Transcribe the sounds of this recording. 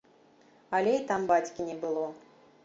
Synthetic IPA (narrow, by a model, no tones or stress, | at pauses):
alʲeit̪ambat͡sʲkʲinʲɛbɨlˠɔ